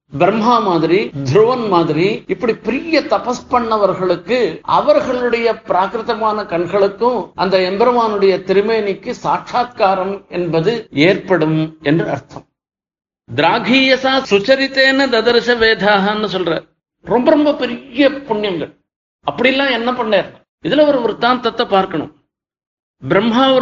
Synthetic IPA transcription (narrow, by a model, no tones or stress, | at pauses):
bɾɐmɦaːmaːðɪɾid̪ʱɾuʋɐnmaːðɪɾiɪpːɐɽipɛɾɪjɐt̪ɐpɐspɐɳːɐʋɐɾɣɐɭɯkːɯɐ̰ʋɐɾɣɐɭɯɽɐjɐpɪɾaːkɾɯt̪ɐmaːnɐkɐɳɣɐɭɯkːʊ̃ʔɐnd̪ɐɛmbɐɾɐmaːnɯɽɐjɐt̪ɪɾɯmeːnɪkːɯsaːkʂaːt̪kaːɾɐmɛnbɐðɯeːɾpɐɽɯmɛndrɯɐɾt̪ʰɐ̃m | d̪ɪɾaːɡʱiːjɐsaːsʊt͡ʃːɐɾɪt̪ːeːnːɐd̪ɐd̪ɐɾɪsɐʋeːd̪ʱaːɦɐɐnːɯsɔlra̰ːɾ | ɾɔmbɐɾɔmbɐpɛɾɪjɐpʊɳːjɐŋɡɐɭ | ɐpːɐɽɪjɛlːãːɛnːɐpɐɳːeːɾɯnɐ | ɪðɐlɐɾɯɔɾɯt̪ãːnt̪ːɐt̪ːɐpaːɾkɐɳɯ̰̃m | bɪɾɐmɦaːɔ